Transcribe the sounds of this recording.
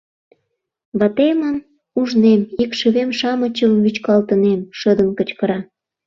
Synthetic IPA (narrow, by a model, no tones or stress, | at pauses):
βɑt̪emən | uʒnemikʃəβemʃɑmət͡ɕəmβyt͡ɕkɑlt̪ənemʃəd̪ənkət͡ɕkəɾɑ